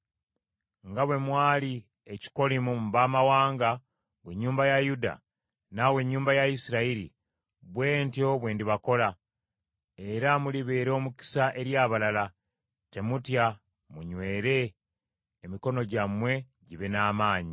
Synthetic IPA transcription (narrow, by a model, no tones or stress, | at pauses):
ŋɡaβwe̞mwaːli | eci̥ko̞limumbaːmawaːŋɡa | βwe̞ɲːuːmbajajuda̰ | nawe̞ɲːuːmbajaisiɾaiɾḭ | βwe̞ːntjo̞βwe̞ːndiβako̞la | e̞ɾamuliβeːɾo̞ːmuki̥saʔe̞ɾjaːβalala | te̞mutja | muɲwe̞ːɾe̞ː | miko̞no̞ɟamwe̞ | ɟiβenaːmaːɲi